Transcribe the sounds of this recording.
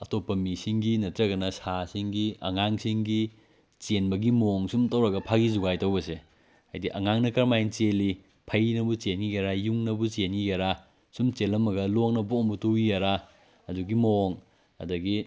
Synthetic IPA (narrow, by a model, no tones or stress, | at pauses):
ɐtopːɐmisiŋɡinɐtɾɐɡɐnɐsasiŋɡiɐ̰ŋaŋsiŋɡi | t͡ʃenbɐɡimoŋsumtɐwɾɐɡɐpʰaɡizuɡajtɐwbɐse | ha̰jdiʔɐ̰ŋaŋnɐkɐɾmajnt͡ʃeli | pʰɐjnɐbut͡ʃenɡijaɾajuŋnɐbut͡ʃenɡijaɾa | sumt͡ʃelɐmɐɡɐloŋnɐbumbutuijaɾa | ɐduɡimoŋ | ɐ̰dɐɡi